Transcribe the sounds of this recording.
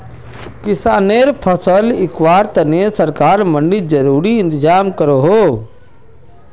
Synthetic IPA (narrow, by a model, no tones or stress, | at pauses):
kɪsaːneːɾpʰəsəlɪkwaːɾt̪ɐnesɐɾkaːɾməɳɖid͡ʒɐɾuːɾiɪ̃nt̪ɪzaːmkəɾoɦoː